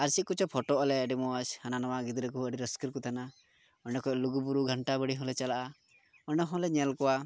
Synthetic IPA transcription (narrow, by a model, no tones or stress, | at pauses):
aɾsiʔ̚kut͡ʃɔpʰɔʈɔʔɔlɛəɖimɔashananawaɡid̪ɾəkuəɖiɾəskiɾkut̪ʰana | ɔɖɛkɔɔluɡubuɾuɡʱəɳʈabəɽiɦɔ̃lɛt͡ʃalaʔa | ɔnɛɦɔ̃lɛɲɛlkɔwa